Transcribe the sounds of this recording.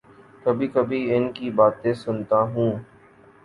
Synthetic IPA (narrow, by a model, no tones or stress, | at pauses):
kɐbʱikɐbʱiɪnkibaːt̪ẽsʊnt̪aɦũː